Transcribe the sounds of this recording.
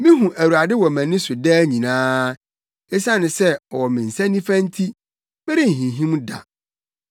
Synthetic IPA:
mĩ˦ɦũ˨ʔæ˨wu˨a˨dɪ˦wɔ˨mæ̃˨nɪ̃˦sʊ˨dɛː˦ɲĩ˨nãː˦ | e˦sã˦nɪ̃˨sɛ˦ɔ˨wɔ˨mɪ̃˨n̩˨sæ̃˦nĩ˦fæ̃˦n̩˦tʰi˦ | bɛ˦ɾi˦n̩˨ɦĩ˨ɦĩ˦m˦da̰˨

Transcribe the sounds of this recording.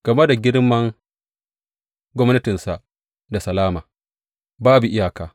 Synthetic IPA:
ɡ̥ɐ˨me˦da˨ɡʲɪ˦ɽmɐ˦ŋ | ɡʷɔ˦mnɐ˦tɪ˨nsa˨ | da˨sɐ˨laː˦maː˨ | baː˦bu˨ʔɪ˦jaː˨kaː˨

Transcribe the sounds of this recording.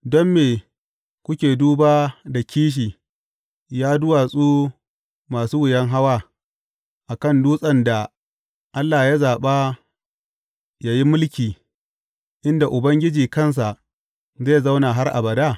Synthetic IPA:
dɔ˦mːeː˨ | kʷʊ˦kʲeː˨duː˦baː˦da˨kʲʰiː˦ʃ̬iː˨ | jaː˦dʊ˦waː˨sʼuː˦ | maː˨suː˦wʊ˨jɐ˦ŋɦa˦waː˦ | ʔa˨kɐ˦˨nduː˦sʼɐ˨nda˨ | ʔa˦lːaː˨ja˦zaː˨ɓaː˦ | ja˦ji˦mʊ˦lkʲiː˨ | ʔɪ˦nda˨ʔʊ˨bɐ˦ŋɡʲɪ˦d͡ʒiː˨kɐ˦ns̬a˨ʔ | zeː˦˨za˦wnaː˨ɦa˦rʔa̰˨bɐ˨daː˦˨

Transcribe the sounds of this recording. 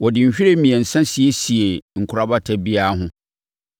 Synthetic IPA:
wɔ˨dɪ̃˨m̩˨ɕᶣi˦ɾe˦mĩ˨ɛ˨n̩˨sã˦si˨e˦si˨e˨ŋ̩˨kʰʊ˨ɾa˦ba˦tʰɛ˦bi˦a˦ɦʊ̃˦

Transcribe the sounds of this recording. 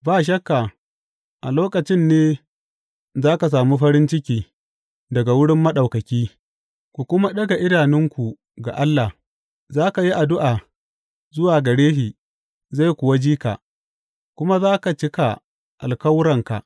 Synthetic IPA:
baː˦˨ʃ̬ɐ˦kːa˨ | ʔa˨loː˦kɐ˨t͡ʃɪ˦nːeː˦ | zaː˦ka˨s̬aː˨mu˦ɸɐ˦ɾɪ˦nt͡ʃɪ˦kʲiː˨ | dɐ˨ɡa˨wʊ˦ɽɪ˦mːɐ˦ɗa˨wkɐ˨kʲiː˦ | kʷu˨kʷʊ˦ma˦ɗɐ˦ɡa˨ʔɪ˦daː˨nɪ˦ŋkʷu˨ | ɡa̰˨ʔa˦lːa˨h | zaː˦ka˨ji˦ʔa˨dʊ˦ʔa˨ | zʊ˦waː˨ɡɐ˨ɽeː˦hiː˨ | za˦˨jkʷʊ˨wa˦d͡ʒiː˦ka̰˨ʔ | kʷʊ˦ma˦zaː˦ka˨t͡ʃɪ˦ka˨ | ʔa̰˨lkɐ˦wɾɐ˨ŋka̰˨ʔ

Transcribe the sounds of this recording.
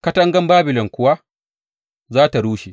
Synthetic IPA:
kɐ˦tɐ˦ŋɡɐ˦mbaː˦bɪ˨lɔ˨ŋkʷʊ˦wa˦ | zaː˦ta˨ɽuː˦ʃe˨

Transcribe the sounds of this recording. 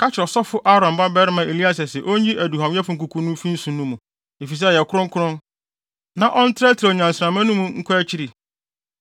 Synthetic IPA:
kʰa˦t͡ɕɪ˨ɾɔ˨sɔ˦fʊ˦ʔa˦ɾã˨m˨ba˦bɛ˦ɾɪ˦mã˨ʔe˨li˦a˦s̬ɛ˨sɛ˨ʔo˦ɲĩ˦ʔæ˨du˨hã˨m˦ɛ˦fʊ˨ŋ̩˨k̬u˨kʰu˦nʊ̃˦fi˦n̩˦sũ˨nũ˦mũ˨ | e˨fi˨s̬ɛ˦˨jɛ˨kʰʊ˦ɾʊ̃˦ŋ˦kʰʊ˦ɾʊ̃˦n | nã˨ʔɔ˦n̩˦tʰɾɛ˦tʰɪɾɲ˨ã˨n̩˨sɾã˨mã˦nʊ̃˦mũ˨ŋ̩˦kʰɔ˦æ˦t͡ɕʰi˦ɾi˨

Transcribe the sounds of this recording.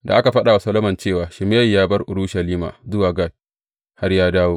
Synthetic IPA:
da̰˨ʔa˦ka˨ɸɐ˦ɗa˨wa˨sɐ˦lo˦mɐ˨nt͡ʃeː˦˨waː˨ʃɪ˨m˦jɐ˦˨jjaː˦bɐ˦rʔʊ̰˨ɾuː˦ʃɐ˨liː˦ma̰ː˨zʊ˦waː˨ɡa˦˨ | ha˦rjaː˦daː˦woː˦

